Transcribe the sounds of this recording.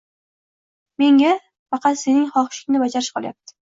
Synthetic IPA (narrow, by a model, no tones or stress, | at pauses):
me̞ŋʲa | fɑqʰɑt̪se̞nɪŋχɒχʃɪ̥kʲnɪbad͡ʒaɾɪʃqʰɒlˠja̰p̚t̪ʰɪ̥